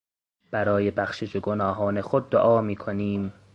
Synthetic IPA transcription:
b̥æɾɒːje̞bæxʃed͡ʒoɡonɒːɦɒːne̞xod̪̚ːoʔɒːmiːkʰoniːm

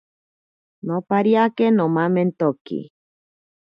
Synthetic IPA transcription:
nopaɾiakenomãment̪okḭ

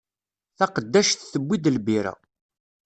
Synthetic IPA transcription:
θɑqəd̪ːæʃθθəbːid̪əlbiɾæ̰

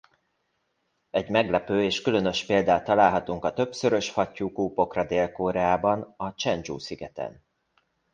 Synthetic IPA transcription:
ɛɟmɛɡlɛpøːeːʃkylø̞nø̞ʃpeːld̪aːt̪ːɒlaːlɦɒt̪uŋkɒt̪ø̞psø̞ɾø̞ʃfɒcːuːkuːpo̞krɒd̪eːlkoːɾɛaːbɒnɒt͡ʃɛnd͡ʒṵːsiɡɛt̪ɛ̰n

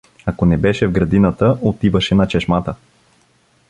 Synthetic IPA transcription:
akonɛbɛʃɛvɡɾɐd̪inɐt̪əʔot̪ivəʃɛnɐt͡ʃɛʃmat̪ə

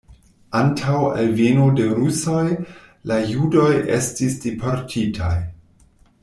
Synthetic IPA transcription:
antʰawelvenode̞ɾuso̞j | lajudo̞je̞̰stisd̥ipʰoɾtʰitʰaj

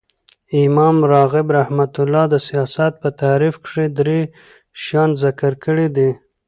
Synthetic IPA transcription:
ɪmɑmɾɑɣɪbɾahmat̪ʊlɑd̪əsijɑsat̪̚pət̪aɾifkʂed̪ɾe | ʃjɑnzɪkəɾkəɽed̪i

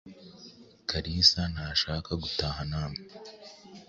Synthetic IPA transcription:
kaɾiːsanaʃaːkaɡutaːɦanaːmi

